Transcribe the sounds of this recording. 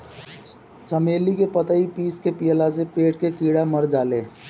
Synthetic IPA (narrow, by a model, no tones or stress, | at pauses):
t͡ʃəmeːlikepət̪aipiːskepijəlasepeːʈkekiːɽaməɾd͡ʒaːleː